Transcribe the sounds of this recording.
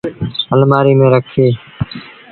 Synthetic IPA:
əlmaːɾiːmẽːɾəkʰseː

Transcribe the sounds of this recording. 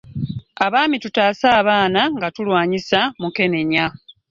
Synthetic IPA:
aβaːmitutaːsaːβaːnaŋɡatulwaːɲisamuke̞ne̞ɲa

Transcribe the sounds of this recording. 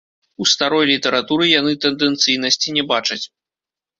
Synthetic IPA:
ust̪aɾɔjlʲit̪ɛɾat̪uɾɨjan̪ɨt̪ɛnd̪ɛnt̪sɨjnɐsʲt͡sʲinʲɛbat͡ʂɐt͡sʲ

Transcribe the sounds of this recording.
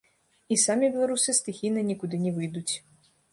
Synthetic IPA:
isamʲibʲɛlˠaɾusɨst̪ɨxʲijnɨnʲikud̪ɨnʲɛvɨjd̪ut͡sʲ

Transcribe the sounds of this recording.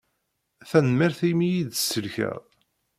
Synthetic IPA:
θænmiɾθimijiðsːəlçæ̰ʁ

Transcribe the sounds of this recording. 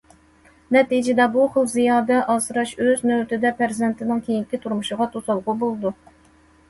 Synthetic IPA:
nɛt̪id͡ʒɪd̪ɛbuχəlˠzijɑːd̪ɛʔɑsɨɾɑʃøznøwt̪ʰɪd̪ɛpʰæɾzɛnt̪ʰɪnɪŋkʲʰejiŋkʲit̪ʰuɾmuʃɨʁɑt̪ʰosɑlˠʁʊbolˠɨd̪u

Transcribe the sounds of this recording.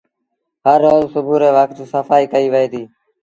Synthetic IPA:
ɦəɾːoːzsʊbʱuːɾeːʋək̚d͡ʒoːsəfaːiːkəiːʋəɦeːd̪iː

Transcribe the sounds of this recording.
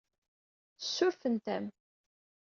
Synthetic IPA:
θəsːʊɾfənt̪æm

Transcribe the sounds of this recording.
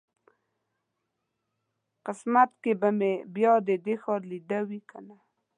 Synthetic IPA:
qɪsmat̪kebamebjɑd̪ed̪exɑɾlid̪awikʰana

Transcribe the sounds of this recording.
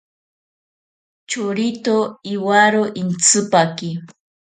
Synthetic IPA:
t͡ʃoɾit̪oiwaɾoʔint͡sɨpaki

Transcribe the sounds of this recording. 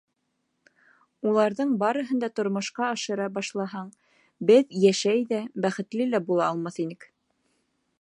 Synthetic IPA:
ulˠɑɾðɤɴbɑɾɤ̆ɦɤ̆nd̪ɑt̪ŏɾmŏʃqɑːʃɤ̆ɾɑbɑʃlˠɑɦɑɴ | bɘðjæʃæjðæbæχɘ̆t̪lɘlæbulˠɑːlˠmɑθinɘk

